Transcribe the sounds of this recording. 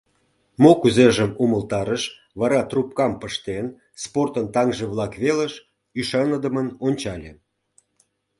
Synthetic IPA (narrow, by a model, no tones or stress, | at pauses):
mokuzeʒəmuməlt̪ɑɾəʃ | βɑɾɑt̪rup̚kɑmpəʃt̪en | sport̪ənt̪ɑŋʒeβlɑkβeləʃ | yʃɑnəd̪əmənonʲt͡ɕɑlʲe